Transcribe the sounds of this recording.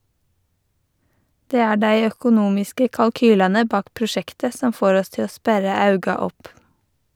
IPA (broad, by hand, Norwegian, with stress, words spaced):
ˈdeː ˈæː ˈɖæɪ œkʊˈnuːmɪskə kɑlˈkyːlɛnə ˈbɑːk pɾʊˈʃɛktə ˈsɔm ˈfoːɾ ˈɔs ˈtɪ ˈoː ˈspæɾə ˈɑʉɡɑ ˈɔp